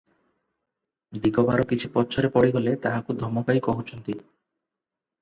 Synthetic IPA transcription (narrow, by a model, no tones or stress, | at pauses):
d̪ikobaɾokit͡ɕʰupɔtːɕʰoɾepɔɽiɡolet̪aɦakud̪ʱɔmːokaikoɦot͡ɕʰont̪i